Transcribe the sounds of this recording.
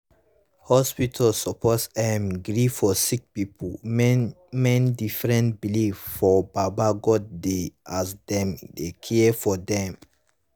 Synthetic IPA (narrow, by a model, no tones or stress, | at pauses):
hɔspitʰalsɔpʰɔtsdɛmɡɹifɔsik̚pipʰu | mɛ̃ndifɹɛ̃ntbiliffɔbabaɡɔddeasdɛ̃mdekʰɛfɔdɛ̃m